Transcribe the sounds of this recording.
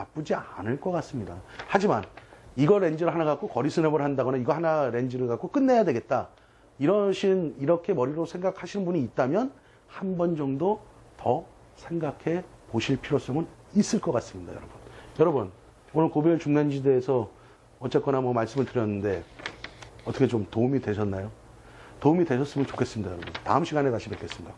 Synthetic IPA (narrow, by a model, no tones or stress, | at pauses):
nap͈ud͡ʑianɯɭk͈ʌk͈as͈ɯmɲidahad͡ʑima̰niɡʌɾe̞nd͡ʑiɾɯɭɦanaɣak͈okʌɾisʰɯnebʌɾɭɦandaɡʌnaiɡʌhanaɾe̞nd͡ʑiɾɯɭkak͈ok͈ɯnːe̞jadwe̞ɡe̞t̚t͈a | iɾʌɕʰiniɾʌkʰe̞mʌɾiɾosʰeŋɡakʰaɕʰinɯnbuɲiːt̚t͈amjʌn | hanbʌnd͡ʑʌŋdo | tʌ | sʰe̞ŋɡakʰe̞poɕʰiɭpʰiɾos͈ʌŋɯn | is͈ɯɭk͈ʌk͈as͈ɯmɲida̰jʌ̰ɾʌbunjʌɾʌbɯn | onɯɭkobiɭt͡ɕuŋnand͡ʑideːsʰʌ | ʌt͡ɕ͈et̚k͈wʌnamʌmaɭs͈ɯmɯɭtɯɾjʌnːɯnde̞ | ʌtʰʌkʰet͡ɕomtoumidwe̞ɕʰʌnːajo | toumidwe̞ɕʰʌs͈ɯmjʌnt͡ɕo̥kʰe̞s͈ɯmɲidajʌɾʌbunta̰ɯmɕʰiɡanekat͡ɕʰipekʰes͈ɯmɲida